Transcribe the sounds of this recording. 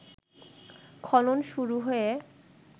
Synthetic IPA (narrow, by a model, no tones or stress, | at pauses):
kʰɔlonʃuɾuɦoe